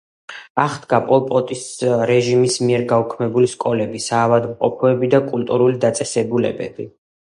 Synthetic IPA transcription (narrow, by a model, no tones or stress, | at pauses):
aχd̪ɡapʼɔlˠpʼɔt̪ʼisɾɛʒimismiɛɾɡaukʰmɛbuliskʼɔlɛbisaːvad̪mqʼɔpʰɔɛbid̪akʼult̪ʼuɾulid̪at̪sʼɛsɛbulɛ̰bɛ̰bi